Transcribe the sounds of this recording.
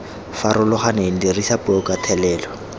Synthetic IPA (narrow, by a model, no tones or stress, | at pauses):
faɾʊlʊχanen̩dirisapʊɔkʼatʰɛlɛːlɔ